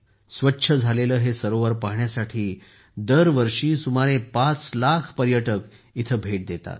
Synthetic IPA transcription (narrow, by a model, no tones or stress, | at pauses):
sʋətːɕʰəd͡zʱaleləːɦesəɾoʋəɾpaɦɳjasaʈʰiː | d̪əɾʋəɾʂiːsumaɾepat͡slakʰpəɾjəʈək | it̪ʰəːbʱeʈ̚d̪et̪a̰t̪